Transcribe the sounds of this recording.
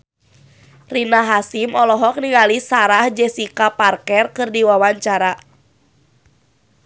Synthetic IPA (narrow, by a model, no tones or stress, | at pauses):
rinaɦasimɔlɔɦɔk̚niŋalisaɾahd͡ʒɛsikaparkɛrkɨrdiwawaɲt͡ʃaɾa